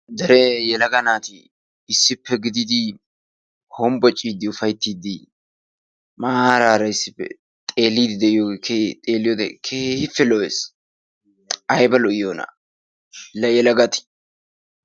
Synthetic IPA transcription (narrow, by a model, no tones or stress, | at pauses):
d̪ɛɾɛjɛlɐɡɐnaːt̪ɪː | sːɪpːɛɡɪd̪ɪd̪ɪ | hɔmbɔt͡ʃʼːiːd̪ɪʊfɐjt̪ːiːd̪ɪ | maːɾaːɾɐɪsːɪ̥pːɛ̰ | t̪ʼe̞ːlːiːd̪ɪd̪ɛɪjoɡkʰet̪ʼeːlːɪjɔd̪ɛkʰeːhɪfːɛlɔes | ɐjbɐlɔɪjoːna̰ | lɐjɛlɐɡɐt̪ɪ̥